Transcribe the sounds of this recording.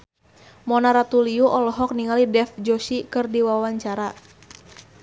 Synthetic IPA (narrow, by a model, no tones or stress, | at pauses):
mɔnaɾat̪uliuʔɔlɔɦɔk̚niŋalidɛfd͡ʒɔʃikɨrdiwawaɲt͡ʃaɾa